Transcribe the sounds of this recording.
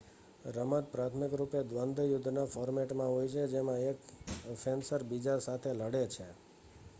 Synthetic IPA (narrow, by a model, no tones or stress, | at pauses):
ɾəmət̪̚pɾat̪ʰmɪkɾuped̪ʋənd̪ʱjʊd̪ʱːnafɔɾmeʈmãɦojt͡ʃʰed͡ʒemãekfensəɾbid͡ʒasat̪ʰeləɽet͡ʃʰe